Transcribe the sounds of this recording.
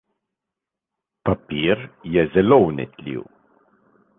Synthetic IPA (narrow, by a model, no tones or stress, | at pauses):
papiːɾjɛzɛlownɛ̰t̪lʲḭːw